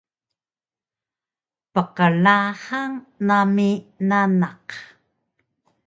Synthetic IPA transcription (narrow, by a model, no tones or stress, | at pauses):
pəqəɭaχaŋnaminanaq